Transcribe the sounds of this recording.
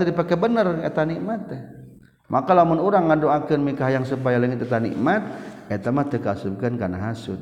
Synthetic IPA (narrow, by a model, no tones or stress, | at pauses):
adipakɛbənərḛt̪aniʔmat̪ːɛ | mʔakalamʊnuɾaŋadoakənmikaɦajaŋsup̬ajalaŋɪt̪et̪anḭʔmat̪̚et̪amat̪ːɛkasukankanaɦasʊ̰t̪̚